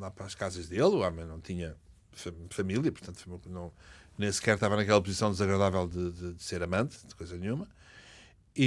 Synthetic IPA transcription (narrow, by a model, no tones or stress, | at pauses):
lˠapɾaʃkazɐʒðelˠuɔmɐ̃j̃nɐ̃w̃t̪iɲɐ | fɐfɐmilˠjɐpuɾt̪ɐ̃nt̪fnɐ̃w̃nẽj̃sɨ̥kɛɾt̪avɐnɐkɛlˠɐpuzisɐ̃w̃d̪ɨzɐɣɾɐðavɛlˠd̪ɨðɨd̪ɨseɾɐmɐ̃nt̪d̪ɨkojzɐnɲũmɐ | i